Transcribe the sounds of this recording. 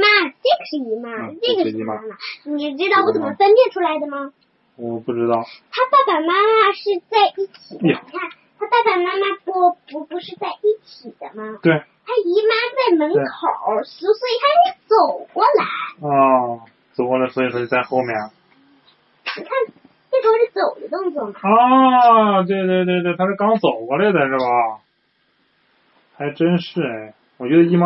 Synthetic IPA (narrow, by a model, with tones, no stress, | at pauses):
ma˥ʈ͡ʂi˥˩ɡə˩ʂɻ̩˥˩i˧˥ma˥ʈ͡ʂɤ˧˥˩ɡə˩˧˥a˥ma˧˩ni˨˩˧ʈ͡ʂɻ̩˥ɑ˥˩ʊwɔ˧˥t͡sə˨˩mə˦fə˥npjɛ˥˩nʈ͡ʂʰu˥la˧˥ɪd̪ə˧mɐ˨˩˨ | pu˥˩ʈ͡ʂɻ̩˥t̪ɑ˥˩ʊt̪ʰa˥p̪a˥˩pa˨˩ma˥ma˥˧ʂɻ̩˥˧t͡sa˥˧ɪʔi˥˩t͡ɕʰi˨˩˧a˥˩n | t̪ʰa˥p̪a˥˩pa˨˩ma˥ma˥ppu˧˥pu˧˥ʂɻ̩˥˧t͡sa˥˧ɪʔi˥˩t͡ɕʰi˨˩d̪̥ə˦mɐ˩t̪we˥˩ɪt̪ʰa˥i˧˥ma˥t͡sa˥˩ɪmə˧˥nkʰo˨˩˦ʊs̩˧˥swɔ˧˥i˨˩t̪ʰa˥t͡so˨˩ʊkwɔ˥˩la˧˥ɪɔ˥˧˩ | t͡so˨˩ʊkɔ˧lɪswɔ˧˥i˨˩ʂo˥˩t͡ɕi˧t͡sa˥˧ɪxo˥˧ʊmjɛ˥˩n | ni˨˩kʰa˥˩n | ʈ͡ʂe˥˩ʂʂɻ̩˥˩t͡so˨˩ʊd̪ə˦t̪ʊ˥˧ŋt͡swɔ˥˩mɐ˩ɔ˥ | t̪̬we˥˧t̪we˥˧t̪we˥˧t̪wt̪ʰa˥ʂɻ̩˥˩kɑ˥ŋt͡so˨˩ʊkɔ˧˥lə˥˧ɪd̪ə˨˩ʂɻ̩˥˩bɐ˩ | xa˧˥ɪʈ͡ʂə˥nʂɻ̩˥˩e˥˩ɪ | wɔ˨˩t͡ɕɥɛ˧˥d̪ə˧i˥˩ma˥